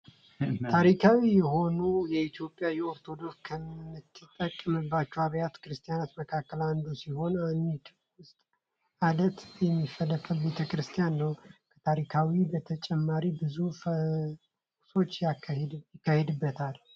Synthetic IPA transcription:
t̪ʰaɾikʰawijɛɦo̞nujɛit̪ʰjo̞pʼːjawjɛo̞ɾt̪ʰo̞d̪o̞kskʰəmːɨt̪ɨt̪ʼːəkʼːəmɨbːat͡ʃːɛwaβjat̪kɨɾɨst̪ʰʼijanat̪məkʰakːəland̪usiho̞nand̪it̪ | wʊst̪ʼ | ad̪ət̪jɛmːifːəlːəfəlbe̞t̪ʰəkɨɾɨst̪ʰijanːəwkʰə̥t̪ʰaɾikʰawibət̪ʰət͡ʃʼɛmːaɾibɨzuf | so̞t͡ʃːjakjɪkːahed̪ɨbːət̪ʰal

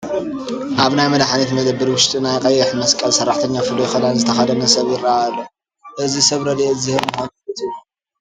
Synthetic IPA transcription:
ʔaβnajmɐd̪aħanit̪mɐd̪ɐbːɨɾwʊʃt̪ʼinajqʼɐjːɪħmɐskʼɐlsɐrːaħt̪ʰɐɲːafɨd̪ojxɐlanzɨt̪ʰɐxɐd̪ɐnɐsɐβjɪɾːaalːo | ʔɨzisɐβɾɐd̪ezɨhɨβmɨxonɨt̪ʰɨu

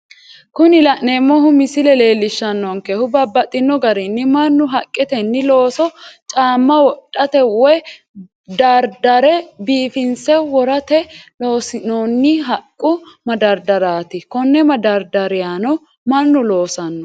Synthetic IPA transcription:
kʊnɪlɐʔnemːɔɦʊmɪsɪlɛle̞ːlːɪʃːɐnːɔŋkɛhʊbɐbːɐt̪ʼːɪnːɔɡɐɾɪnːɪmɐnːʊɦɐkʼːɛt̪ɛnːɪlo̞ːsɔt͡ʃʼaːmːɐwɔtʼːɐt̪ɛwɛ | d̪ɐɾd̪ɐɾɛbiːfɪnsɛwɔɾɐt̪ɛlo̞ːsɪnoːnːɪɦɐkʼːʊmɐd̪ɐɾd̪ɐɾaːt̪ɪkɔnːɛmɐd̪ɐɾd̪ɐɾɪjanɔ | mɐnːʊlo̞ːsɐnːɔ

